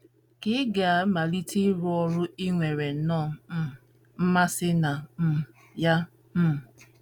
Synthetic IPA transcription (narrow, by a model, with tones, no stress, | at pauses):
kɪ˦ɡa˨˦ma˨li˦ti˦ɾʊ˦ɔ˦ɾʊ˦i˦ŋʷe˨ɾe˨˦nɔ˦˨˦ | m̩˦ma˦sɪ˦na˨m̩˨ | ja˦ | m̩˦˨